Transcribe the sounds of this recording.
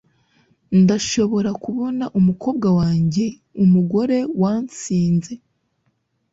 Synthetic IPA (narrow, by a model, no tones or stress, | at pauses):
ndaʃo̞βo̞ɾakuβo̞naʔumuko̞ːbɡawaːɲɟe̞ | umuɡo̞ɾe̞waːnt͡siːnze̞